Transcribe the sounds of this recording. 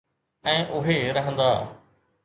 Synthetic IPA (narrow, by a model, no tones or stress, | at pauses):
ɛ̃ːʔʊɦeɾɐɦə̃nd̪aː